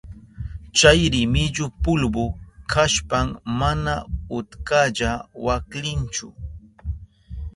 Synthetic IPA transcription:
t͡ʃajɾɪmɪʎʊpʊlbʊkʰaʃpammanaʊt̪kaʎawaklɪnt͡ʃʊ̰

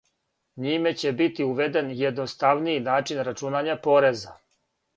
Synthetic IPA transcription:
ɲime̞t͡ɕe̞bit̪iuʋe̞d̪e̞njed̪nost̪aʋniinaːt͡ʃinɾat͡ʃunaɲapoɾeza

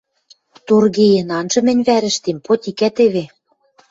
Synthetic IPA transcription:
t̪urɣejĕnɑnʒɤ̆mɘ̆nʲβæɾɘ̆ʃt̪empot̪ʲikæt̪eβe

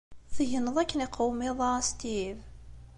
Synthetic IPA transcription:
θəʝənːəðˤækːənɪqʰəwmɪðˤɑst̪iv

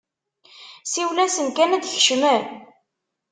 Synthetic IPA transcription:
siwlæsənkænæd̪ç̥ʃmæn

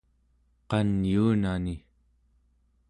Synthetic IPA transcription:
qɑnjuːnani

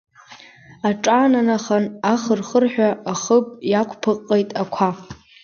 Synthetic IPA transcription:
aʈ͡ʂʼaːnanaχanaχərχərħᶣaːχəpʼjakʷʰʼpʰɨqʼːejtʼakʷʰa

